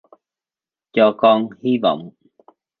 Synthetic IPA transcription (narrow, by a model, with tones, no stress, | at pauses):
t͡ɕɔ˧kɔ˧nhi˧va̰˧˨wŋ͡m